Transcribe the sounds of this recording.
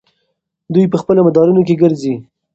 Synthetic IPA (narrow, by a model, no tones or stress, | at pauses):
d̪ujpəxpəlomad̪ɑɾunok̬eɡəɾzi